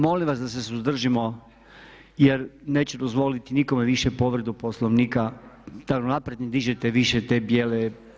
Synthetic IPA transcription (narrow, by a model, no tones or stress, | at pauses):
mo̞limʋasd̪as̬esuzd̪r̩ʒimo̞ | jeɾne̞ːt͡ɕed̪ozʋo̞lit̪iniko̞meʋiʃepo̞ʋɾed̪uposlˠoʋniːkad̪̥aunapɾed̪ned̪iʒet̪eʋiʃet̪e̞bjeːle